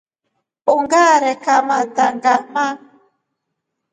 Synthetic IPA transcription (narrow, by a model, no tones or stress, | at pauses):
oŋɡaɾɛkamadaŋɡama